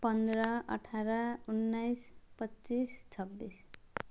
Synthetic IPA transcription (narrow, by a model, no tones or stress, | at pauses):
pʌnd̪ɾʌʌ̰ʈʰaɾaunːajspʌtːt͡sist͡sʰʌbːis